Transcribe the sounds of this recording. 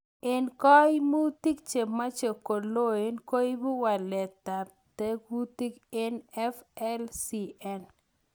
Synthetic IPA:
ɪ˦nkɔ˦ɪ˦mu˦t̪i˦k̚t͡ʃe˨mːa˦t͡ʃe˨ko˨lo˦e˦nko˦i˦bu˦wa˨lɛ˨t̪a˨ | t̪e˦kwu˦t̪i˦ke˦nɛ˦fɛ˦lsi˦ɛ˦n

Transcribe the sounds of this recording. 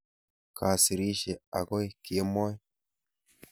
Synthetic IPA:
kʰa˨si˨ɾi˦ʃe˨a̰˨ɡo˦jki˨e˦mo˦j

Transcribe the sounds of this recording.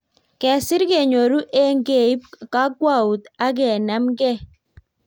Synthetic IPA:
kɛ˨sɪ˦ɾke˨ɲo˨ɾu˦ʔe˦ŋɡe˨i˦pka˦ɡwa˦˨u˨t̪a˦ɡɛ˨na˨˦mɡɛ˦

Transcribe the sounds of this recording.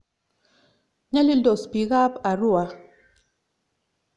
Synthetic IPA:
ɲa˦li˦dɔ˨spi˨ɣa˦pa˨ɾu˦a˨

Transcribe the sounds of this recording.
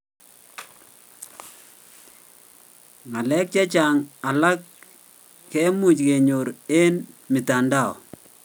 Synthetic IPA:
ma˨lɛ˦k̚t͡ʃa˦t͡ʃa˨ŋa˨la˦kː | ɛ˦mu˨t͡ʃke˨ɲo˨ɾe˦nmɪ˨ta˨nda˦˨ɔ̰˨

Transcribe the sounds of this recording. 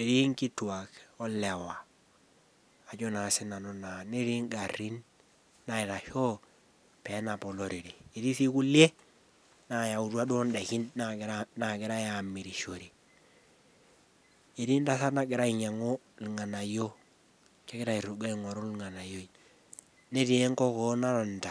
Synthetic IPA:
e˨ɾi˦ŋki˦twa˨kɔ˦le˨wa˨ | a˨d͡ʒo˦na˨sɪ˦na˨nɔ˦na˨ni˦ɾi˦ŋɡa˨ri˦nː | a˦ɪ˨ɾa˨ʃo˦ | pe˨˦na˨pɔ˨lo˨ɾi˨ɾi˨e˨ɾi˦si˦ku˦lje˦ | na˨ja˨u˨ɾu˦a˦do˦nda˨ki˦n | na˨ɡɪ˨ɾa˦ja˨mi˨ɾi˨ʃo˨ɾi˨ | e˨ɾi˦n˦da˦sa˦na˦˨ɡɪ˨ɾa˦i˨ɲa˨ŋo˦ | li˨ŋa˨na˨jo˦ | t͡ʃe˦ɡɪ˦ɾa˦i˨ɾu˨ɡa˦i˨ŋɔ˨ɾo˦lŋa˨na˨jo˦i˨˦ | ne˦ɾi˨˦e˦ŋkɔ˦ko˦na˦ɾa˨n˨ta˨

